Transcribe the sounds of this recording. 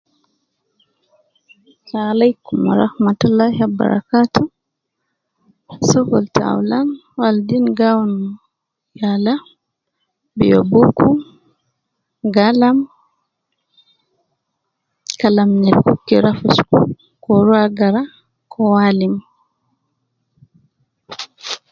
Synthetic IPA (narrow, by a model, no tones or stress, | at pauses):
alajkumaɾa̰hmatulːahiaba̰ɾa̰katu | sɔkɔlta̰w̰lan | waldinɡawɔn | jala | bḭjobuku | ɡalam | kalamnɛlkukːiɾafusku | kɔɾwaɡaɾa | kʰɔwalim